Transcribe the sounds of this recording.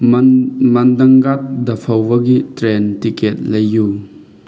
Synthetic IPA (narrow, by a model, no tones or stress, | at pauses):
mɐnd̪ɐŋɡat̪̚d̪ɐpʰɐwɐɡitɾɛntikɛt̚lɐjːu